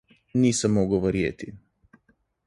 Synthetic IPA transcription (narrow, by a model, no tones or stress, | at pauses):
niːsamːoɡoʋɔɾjet̪i